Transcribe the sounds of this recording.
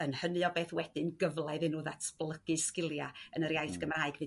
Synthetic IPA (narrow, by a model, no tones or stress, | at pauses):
ənhənɨɔbeːθwɛd̥ɨnɡəvlˠɛðɨnuðatʰb̥lˠəɡ̥ɨskɪlˠjaənəɾjajθɡ̥əmraːɨɡvɨ